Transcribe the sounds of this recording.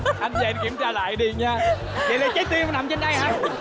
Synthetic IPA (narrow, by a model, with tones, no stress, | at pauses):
ʔa˧nza̰˧˨˧ki˧˩əmt͡ɕaː˧la̰ː˧˨jɗi˨˩əɲaː˧ | kḛ˨˩le˧nt͡ɕa˨˦˥j̚t̪i˧˨˦na˨˩mt͡ɕe˧nɗa˧jhaː˧